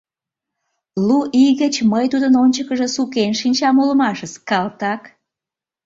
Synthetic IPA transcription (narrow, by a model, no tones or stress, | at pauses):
luʔiɣət͡ɕməjt̪ud̪ənonʲt͡ɕəkəʒesukenʃinʲt͡ɕɑmuləmɑʃəskɑlt̪ɑk